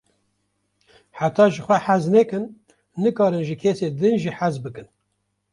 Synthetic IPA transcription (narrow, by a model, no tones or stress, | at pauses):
ħat̪ʰɑːʒɨxʷɛħæznɛkɨnː | ɨkɑːɾɨnʒɨkʰeːseːd̪ɨnʒiħæzbɨkɨn